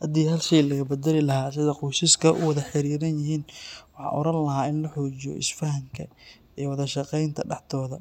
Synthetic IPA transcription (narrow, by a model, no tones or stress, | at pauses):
hɐd̪iːhɐlʃijlɐɣɐbɐd̪ɛlɪlɐɦaːsɪðɐqʊjsɪskʰɐʔʊ̰wɑðɐħɪɾiːɾɐnjɪɦiːnwɑħɑ̰ːʔɔ̰ɾɐnlɐɦaːɪnlɐħɔːt͡ʃɪjɔ̰ʔɪ̰sfɐɦɐŋkʰɐ | iwɑðɐʃɑqɛjnt̪ʰɐɖɑħd̪ɔːðɐ